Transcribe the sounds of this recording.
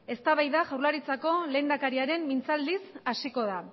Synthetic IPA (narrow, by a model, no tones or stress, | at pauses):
e̞st̪aβajðaʝawɾlaɾit͡sako̞le̞ːnd̪akaɾiaɾe̞mːint͡sald̪isasiko̞ð̞a